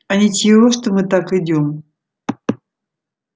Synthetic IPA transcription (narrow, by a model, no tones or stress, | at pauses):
ɐnʲɪt̪ʲɪoʂt̪omɨt̪akɨdʲom